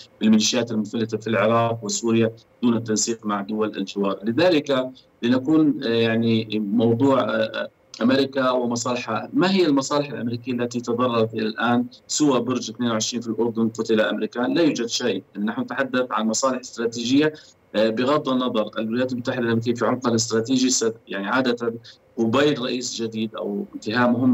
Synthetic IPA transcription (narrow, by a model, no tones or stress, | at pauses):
bɪlmɪliːʃɪjaːt̪ɪlmʊθalːɪt̪afilʕɪɾˤɑːqwɪsuːɾɪja | d̪̥uːnɪt̪ːansiːqmaʕd̪ʊwalɪ̰ld͡ʒɪwɑːɾˤlɪðaːlɪka | linakuːnjaʕnimɑwd̪ˤuːʕ | ʔamɪɾɪkawɪmɑsˤɑːlɪħamaɦɪjːalmɑsˤɑːlɪħalʔamɾiːkɪjːalːat̪it̪ɑd̪ˤɑrˤːɑɾˤɑt̪ʔɪlalʔaːnsɪwabʊɾd͡ʒat̪neːnwʕɪʃɾiːnfilʔʊɾˤd̪ʊnqʊt̪ɪlaʔa̰mɾiːkanlajuːd͡ʒad̪ʃajʔɪlːnaħnʊnat̪ħad̪ːaθʕanmɑsˤɑːlɪħɪ̥st̪ɾˤɑːt̪iːʒɪjːa | bɪɣɑd̪ˤːɑnːɑðˤɑɾˤʔɪlwɪlajaːt̪lmʊt̪ːaħɪd̪alʔamɾikijːafiʕʊmqɑlɪs̬t̪ɾˤɑːt̪iːʒisjaʕniʕaːd̪at̪an | qʊbajlɾˤɑʔiːsd͡ʒad̪iːd̪ʔa̰wɪnt̪ɪɦaːʔmʊɦɪmː